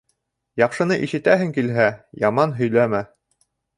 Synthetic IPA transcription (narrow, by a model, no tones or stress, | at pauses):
jɑqʃɤ̆nɤʔiʃɘ̆t̪æɦɘŋkilɦæjɑmɑnɦɵ̆jlæmæ